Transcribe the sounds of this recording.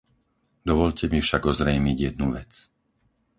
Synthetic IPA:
d̪ɔʋɔʎcʰɛmifʃaɡɔzɾɛjmiɟjɛd̪nuʋɛt͡s

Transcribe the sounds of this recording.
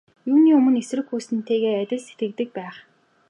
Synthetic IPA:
juːniːɵmɵ̆nesɘ̆rɘ̆xuːsɘ̆nt̪ʰeːɣeːat̪ʲɪ̆ɮset̪ɡɘ̆kt̪ɘ̆k̚pæːχ

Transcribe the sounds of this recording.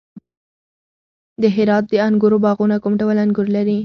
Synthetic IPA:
d̪əɦɪɾɑt̪̚d̪əaŋɡʊɾobɑɣunakumɖawəlaŋɡʊɾlaɾi

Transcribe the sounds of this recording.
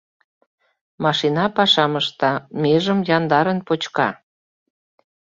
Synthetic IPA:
mɑʃinɑpɑʃɑməʃt̪ɑmeʒəmjɑnd̪ɑɾənpot͡ɕkɑ

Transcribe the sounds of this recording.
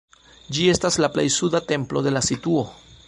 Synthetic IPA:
d͡ʒie̞staslaple̞̰jsudate̞mplo̞de̞lasituo̞

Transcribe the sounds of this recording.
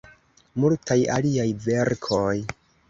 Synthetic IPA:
multʰajaliajve̞ɾkʰoj

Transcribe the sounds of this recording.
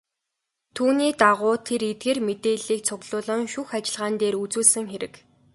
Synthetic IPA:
t̪ʰuːniːt̪aʁʊːt̪ʰeɾet̪̚ɡeːrmet̪eːɮiːk̚t͡sʰʊɣɮ̥ʊːɮə̆ŋʃuxat͡ɕɪ̆ɮʁaːnt̪eːɾut͡suːɮsɘ̆ŋxeɾɘ̆k

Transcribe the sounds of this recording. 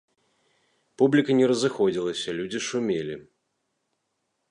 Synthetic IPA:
publʲikɐnʲɛɾɐzɨxɔd͡zʲilˠɐsʲɐlʲud͡zʲiʂumʲelʲḭ

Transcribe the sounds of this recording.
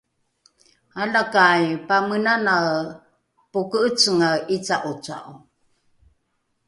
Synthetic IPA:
alakajpamənana | pukəʔət͡səŋait͡saʔut͡sa̰ʔu

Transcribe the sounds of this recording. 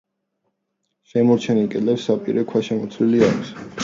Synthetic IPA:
ʃɛmɔɾt͡ʃʰɛnilkʼɛlɛpsːapʼḭɾɛkʰwaʃɛmɔt̪sʰwiliaɾs

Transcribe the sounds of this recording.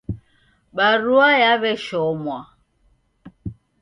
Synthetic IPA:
ɓaɾuajaβɛʃɔmwa

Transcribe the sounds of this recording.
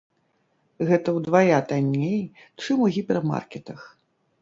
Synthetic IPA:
ɣɛt̪ɐwd̪vajat̪anʲːej | t͡ʂɨmuɣʲipʲɛrma̰rkʲɛt̪ɐx

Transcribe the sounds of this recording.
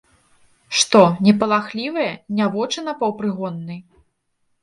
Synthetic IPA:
ʂt̪ɔnʲɛpɐlˠaxlʲivɐjɐnʲavɔt͡ʂɨnɐpɐwpɾɨɣɔnːɨj

